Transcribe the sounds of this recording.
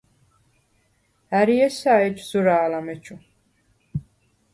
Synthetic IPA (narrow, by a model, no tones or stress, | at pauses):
æɾiɛsaɛt͡ʃzuɾaːlamɛt͡ʃʰu